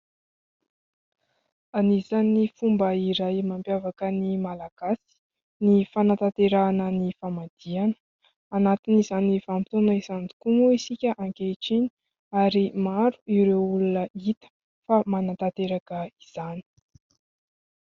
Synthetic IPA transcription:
anizanifumbəiɾajmampjavakənimalaɡ̥asi̥ | nifanat̪at̪eɾaːnənifamad̪̥ianə̥ | anat̪iniz̥anifamit̪unəisand̪u̥kuŋuisikʲəʔaŋkeʈ͡ʂini̥ | aɾimaɾu̥iɾewulunəit̪ə̥ | famanat̪at̪eɾakəiz̥ani̥

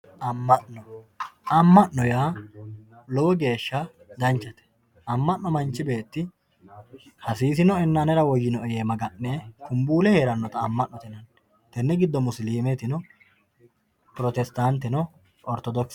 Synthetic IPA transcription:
ʔɐmːɐʔnɔ | ɐmːɐʔnɔjaː | lɔwɔɡe̞ːʃːɐ | d̪ɐnt͡ʃːɐt̪ɛ̥ | ɐmːɐʔːɔmɐnt͡ʃːɪbe̞ːt̪ːɪ | hɐsiːs̬ɪnɔɛnːanɛɾɐwɔjːɪnɔɛjeːmɐɡɐʔːɛkʊmbuːlɛheːɾɐnːɔt̪ɐːmːɐʔnːɔt̪ɛnɐn | t̪ɛnːɛɡɪd̪ːɔmʊsliːmet̪ɪnɔ | pʊɾɔt̪ɛst̪ant̪ːɛnɔ | ʔɔɾt̪ɔd̪ɔks

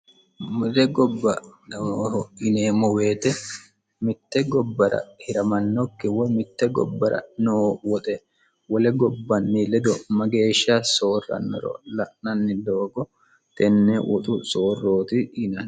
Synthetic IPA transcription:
mɔlɛɡɔbːɐnːhɔɪneːmɔweːt̪ɛ | mɪt̪ːɛɡɔbːɐɾɐ̰hɪɾɐmɐnːɔkːɪwɔjmɪt̪ːɛɡɔ̰bːɐɾɐ̰noːwɔt̪ʼɛ | wɔlɛɡɔbːɐnːilɛd̪ɔmɐɡe̞ːʃːɐso̞ːrɐ̰nːɔ̰ɾɔ̰lɐʔnɐnːɪd̪oːɡɔ | t̪ɛnːɛʔɔt̪ʼʊsoːrːoːt̪ɪɪnɐn

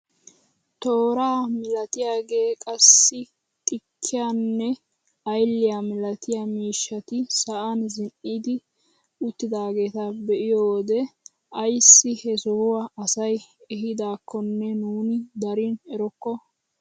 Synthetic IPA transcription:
t̪oːɾaːmɪlɐt̪ɪjaːɡe̞ːkʼɐsːɪ | t̪ʼɪkʰːɪjanːɛ | ɐjlːɪjamɪlɐt̪ɪjamiːʃːɐt̪ɪsɐʔanzɪnːiːd̪ɪ | ʊt̪ːɪd̪aːɡe̞ːt̪ɐbɛʔɪjoːd̪ɛ | ɐjsːɪhɛsɔhʊwaɐsɐjɛɦɪd̪aːkʰːɔnːɛnuːnɪd̪ɐɾɪnɛɾɔkːɔ

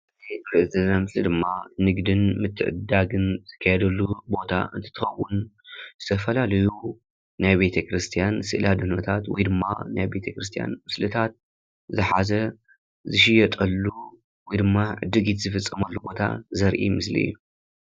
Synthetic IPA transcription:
zɐjt̪ɐɾʔɨzɐlnamɨslɨd̪ɨmːanɨɡd̪ɨnmɨt̪ʰːɨʕɨ̰d̪aɡɨnz̥ɨkʰːajɛd̪ɐlːubo̞t̪ʰa̰ʔɨ̰nt̪ʰɨ̥t̪ʰɨxɐwːunzɨt̪ʰɐfɐlalɐju | najbe̞t̪ʰɐkɾɨst̪ʰijansɨʔlad̪unɐt̪ʰat̪wɔ̰jd̪ɨmːa̰najbe̞t̪ʰɐkɾɨst̪ʰija̰nmɨslɨt̪ʰat̪̚ | zɨħazɐ | zɨʃ̬ɪjɐt̪ʼɐlːu | wɔjd̪ɨmːaʕɨ̰d̪ːɨɡit̪zɨfɨt͡sʼːɐmɐlːubo̞t̪ʰa̰zɐɾʔḭmɨslḭɨ̰jːu

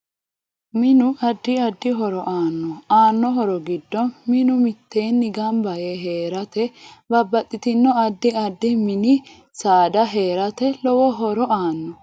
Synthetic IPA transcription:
mɪnʊʔɐd̪ːɪɐd̪ːɪɦɔɾɔʔaːnːɔaːnːɔɦɔɾɔɡɪd̪ːɔnmɪnʊmɪt̪ːe̞ːnːɪɡɐmbɐjeɦe̞ːɾɐt̪ɛbɐbːɐt̪ʼːɪt̪ɪnːɔɐd̪ːɪɐd̪ːɪmɪnɪ | saːd̪ɐɦeːɾɐt̪ɛlɔwɔɦɔɾɔaːnːɔ

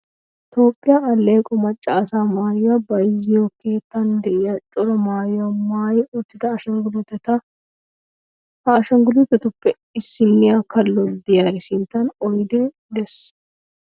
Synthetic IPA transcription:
t̪o̞ːpʼːɪjaɐlːeːkʼɔmɐt͡ʃʼːaːsaːmaːjabɐjɪzɪjoːkːeːt̪ːɐnd̪ɛʔjat͡ʃʼʊɾɐmaːjamaːjɪɔt̪ːɪd̪ɐːʃɐŋɡʊlʊt̪ɐt̪ɐ | ɐːʃɐŋɡʊlʊt̪ɐt̪ʊpːɛ | ɪsɪnːɪjakɐlːɔld̪ɪjaɾɪsint̪ɐnɔjd̪eː | d̪ɛs

